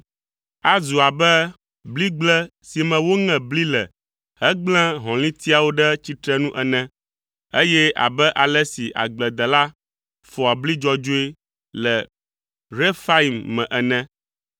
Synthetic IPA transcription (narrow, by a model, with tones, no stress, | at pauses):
a˦zu˨a˨bɛ˦ | bli˦ɡ͡blɛ˦ | si˨mɛ̃˨wo˦ŋɛ̃˨bli˦lɛ˨ | ɦɛ˦ɡ͡blɛ̃˦ɦɔ̃˨lĩ˦t̪i˦a˨wo˦ɖɛ˦t͡ɕi˦t̪ɾɛ˦nũ˦ʔɛ˨nɛ̃˦ | e˦jɛ˦ʔa̰˨bɛ˦ʔa˨lɛ˦si˨ʔa̰˨ɡ͡blɛ˨d̪ɛ˨la˦ | fɔ˨a˨bli˦d͡ʒɔ˦d͡ʒo˦e˦ | lɛ˨ | ɾe˦fa˦i˨mːɛ̃˨ʔɛ˨nɛ̃˦